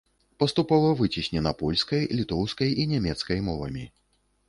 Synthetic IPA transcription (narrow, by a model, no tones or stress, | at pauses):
pɐst̪upɔvɐvɨt͡sʲisʲnʲɛnɐpɔlʲskɐjlʲit̪ɔwskɐjʔinʲɛmʲɛt̪skɐjmɔvɐ̰mʲi